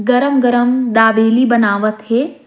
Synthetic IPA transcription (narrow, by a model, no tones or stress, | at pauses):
ɡɐɾəmɡɐɾəmɖ̪aːbeːlibɐnaːʋət̪ɦeː